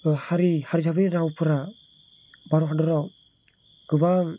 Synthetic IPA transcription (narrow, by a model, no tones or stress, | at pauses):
haɾihaɾid͡ʒabɯɾiɾawpʰɯɾa | baɾɔɦadɔɾaw | ɡ̥ɯbaŋ